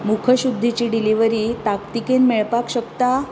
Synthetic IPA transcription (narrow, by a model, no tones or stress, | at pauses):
mukʰəɕud̪ʱːit͡ɕiɖiliʋəɾiːt̪akt̪ikenmeɭpakɕəkt̪a